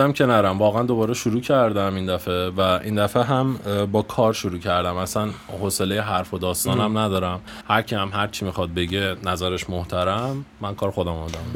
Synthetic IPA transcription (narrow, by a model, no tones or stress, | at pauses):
æmcʰe̞næɾæmvɒːɣæænd̪o̞bɒːɾeʃuɾuːcʰæɾd̪æmind̪æfe̞væʔḭnd̪æfeɦæmbɒːkʰɒːɾʃuɾuːcʰæɾd̪æmæsænhose̞lejeɦæɾfod̪ɒːst̪ɒːnæmnæd̪ɒːɾæm | hæɾcʰihæmɦæɾt͡ʃʰimixɒd̪̚be̞ɟe̞næzæɾeʃmoht̪ʰæɾæmːænkʰɒːɾxo̞d̪æmumæd̪æm